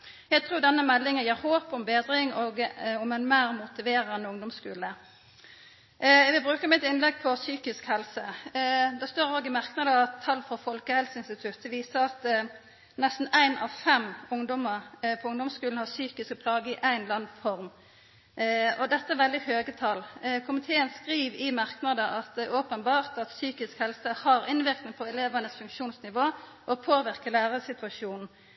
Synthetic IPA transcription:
jæɪt̪ʰʁuːd̪ɛnːəmɛlːɪŋənjeːɾhoːpɔmbeːd̪ɾɪŋɔːɡɔmɛnmæːʁmʊt̪ɪʋeːɾənːəʊŋd̪ʊmskʉːlə | ʋɪbʁʉːkəmɪt̪ɪnlɛɡ̚pʰɔsyːkɪskhɛlsəd̪ɛst̪oːɾoːɡɪmæʁknɑd̪əɑt̪ʰːɑlːfɔfɔlkəhɛlsəɪnst̪ɪt̪ʰʉt̪̚d̪ɛʋiːsəʁɑt̪ | nɛst̪n̩æɪnɑ̰ʋfɛmʊŋd̪ɔməʁpʰɔʊŋd̪ɔmskʉːln̩hɑsyːkɪskəpʰlɑːɡəɪʔæɪnlɑnfɔʁm | ɔd̪ɛt̪ːəæʋɛld̪ɪhøːɡət̪ʰɑlkʰʊmɪt̪ʰeːənskʁiːʋɪmɑʁknɑd̪əʔɑt̪oːpənbɑːʁt̪ɑt̪syːkɪskhɛlsəhɑɾɪnʋɪknɪŋpʰɔɛleːʋɑnəsfʉŋkʃuːnsnɪʋoː | ʔɔpʰoːʋɪʁkəlæːʁəsɪt̪ʉʋɑʂjuːnn̩

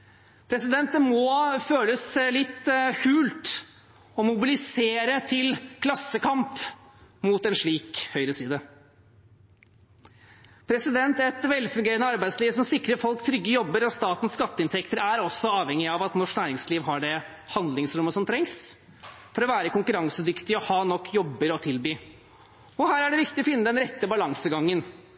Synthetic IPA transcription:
pʰɾɛsɪd̪ɛnt̪̚d̪ɛmɔføːləslɪt̪ːkʰʉːlt̪ | ɔmʊbɪlɪseːɾət̪ʰɪlkʰlɑsːəkʰɑmp | muːt̪ɛnʂɭiːkhœʏɾəsiːd̪ə | pʰɾɛsɪd̪ɛnt̪ɛt̪ʋɛlfʉŋɡeːɾənəɑɾbæɪsliːʋsɔmsɪkɾəfɔlkt̪ʰɾʏɡːəjɔbːəɾɔst̪ɑːt̪n̩sskɑt̪ːəɪnt̪ʰɛkt̪əɾæɾɔsːɔɑːʋɛŋːɪɑʋɑt̪nɔʂknæːɾɪŋsliːʋɦɑɖɛ | hɑnd̪lɪŋsɾʊmːəsɔmt̪ʰɾɛŋs | fɔɾɔʋæːɾəkʊŋkʉɾɑŋsəd̪ʏkt̪ɪɔhɑːnɔkːjɔbːəɾɔt̪ʰɪlbyː | ɔhæːɾæɖɛʋɪkt̪ɪɔfɪnːəd̪ɛnɾɛt̪ːəbɑlɑŋsəɡɑŋːən

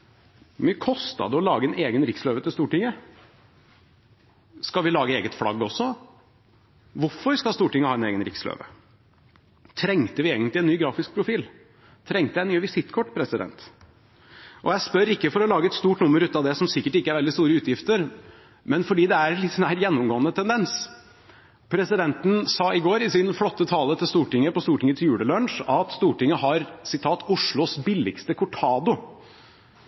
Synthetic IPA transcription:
mɪkʰɔst̪ɑ̰d̪əɔlɑːɡəɛneːɡənɾɪksløːʋət̪ʰɪlst̪uːʈɪŋːə | skɑʋɪlɑːɡəeːɡət̪flɑ̰ɡːɔsːɔ | ʋʊɾfɔɾskɑst̪uːʈɪŋːəhɑːɛnḛːɡənɾɪ̰kslø̰ːʋə̰ | t̪ʰɾɛŋt̪əʋɪeːɡənt̪lɪɛnnːyːɡɾɑːfɪsk̚pʰɾʊfiːl | t̪ʰɾɛŋt̪əæɪnyːʋɪsɪt̪ːkʰɔʈːpʰɾɛsɪd̪ɛ̰nt̪ | ʔɔjæɪspœɾɪkːəfɔɾɔlɑːɡəɛt̪st̪uːʈnʊmːəɾʉːt̪ɑʋd̪ɛsɔmsɪkːəʈɪkːəæɾʋɛld̪ɪst̪uːɾəʉːt̪jɪft̪əɾ | mɛnfɔɖiːd̪ɛæɾnlɪt̪sɔnæːɾjɛnːʊmɡoːənət̪ʰɛnd̪ɛns | pʰɾɛsɪd̪ɛnt̪n̩sɑːɪɡoːɾɪsɪnflɔt̪ːət̪ʰɑːlət̪ʰɪlst̪uːʈɪŋːəpɔst̪uːʈʰɪŋət̪ʰɪljʉːɽəlœɳʂɑt̪st̪uːʈɪŋːəhɑɾsɪt̪ʰɑːt̪ʊʂɭʊsbɪlːɪ̰kst̪əkʰʊʈʰɑːd̪ʊ

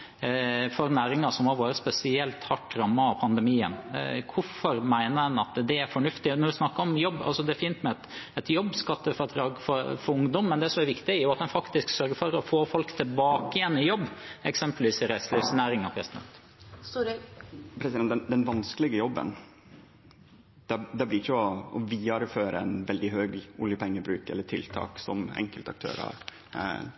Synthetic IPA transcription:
fɔɾnæːɾɪŋɑsɔmhɑɾʋɑːɾəspɛsɪɛlt̪hɑʈːɾɑmːɑɑpʰɑnd̪ɛmiːə̰nkʰʊfɔɾmæɪnəd̪ɛnɑt̪d̪ɛæɾfɔɳʉft̪ɪnɔɾɪsnɑkːəɾɔmjɔbːɑ̰sɔd̪ɛæfiːnt̪mɛt̪ɛt̪jɔbːskɑt̪ːəfɑd̪ɾɑːɡfɔɾfɔɾʊŋd̪ɔmːɛnd̪ɛsɔmæɾʋɪkt̪ɪjʊɑt̪̚d̪ɛnfɑkt̪ɪsksœɾɡəfɔɾɔfoːfɔlkt̪ʰɪlbɑːkəjɛnːɪjɔbːɛksɛmpəlʋiːsɪɾɛslɛːsnæːɾɪŋɑpʰɾɛsɪd̪ɛ̰nt̪ | pʰɾɛɛnd̪ɛnʋɑnskəlɪɡəjɔbːə̰n | d̪̥ɛd̪ɛblɪɪçəɔɔʋiːɑɾføːɾəɛnʋɛld̪ɪɦøːɡʊljəpʰɛŋːəbɾʉːkɛ̰lːəʈ̪ʰɪlt̪ʰɑ̰ːksɔ̰mɛ̰ŋkəlt̪ɑ̰k̚t̪ʰø̰ːɾɑ̰ɾ

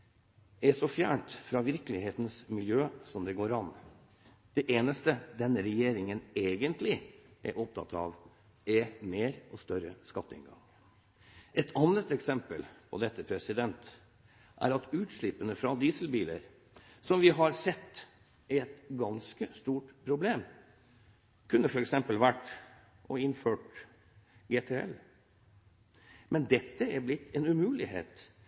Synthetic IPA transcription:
ɛsɔfjæ̰ːɳt̪fɾɑʋɪɾkəlɪheːt̪n̩smɪljøːsɔmd̪ɛɡoːɾɑn | d̪̥ɛʔeːnəst̪əd̪ɛnːəɾɛjeːɾɪŋəneːɡənt̪ʰlɪʔɛ̰ɾʔɔp̚t̪ʰɑ̰t̪ʰɑ̰ʋ | ɛmeːɾɔst̪œɾə̰skɑt̪ːəɪ̰nɡɑ̰ŋ | ʔɛt̪ʰɑnːət̪ɛksɛmpəlpʰɔ̰d̪ɛt̪ːəpʰɾɛsɪd̪ɛnt̪ | ʔæ̰ɾɑt̪ʉːt̪ʂɭɪpənəfɾɑd̪iːsəl̩biːlə̰ɾ | sɔmʋɪɦɑɾsɛt̪ː | ɛɛt̪ɡɑnskəst̪uːʈpʰɾʊbleːm | kʰʉnːəfɔɾɛksɛmpəlʋæʈ | ʔɔɪnføːʈ | ɡeːt̪ʰeːɛ̰l | mʔɛnd̪ɛt̪ːəæɾblɪt̪ʰːɛnʉmʉːlɪhḛːt̪

